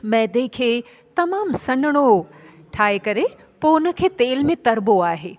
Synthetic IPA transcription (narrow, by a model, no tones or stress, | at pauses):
mɛːd̪ekʰeː | t̪ɐmaːmsɐ̃nəɽ̃o | ʈʰaːekɐɾe | poʊnə̆kʰeːt̪eːlmẽt̪ɐɾboaːɦeː